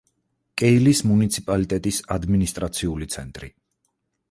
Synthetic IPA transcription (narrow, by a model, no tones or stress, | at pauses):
kʼɛilismunit̪sʰipʼalit̪ʼɛt̪ʼisad̪minist̪ʼɾat̪sʰiulit̪sʰɛnt̪ʼɾḭ